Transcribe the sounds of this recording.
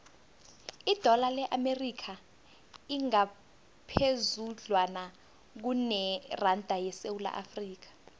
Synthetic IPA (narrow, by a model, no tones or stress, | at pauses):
id̥ʱɔlalɛʔamerikʰa | iŋa | pʰezuɮwana | k̬unɛrandʱajɛsewula̰ʔa̰friːk̬ḁ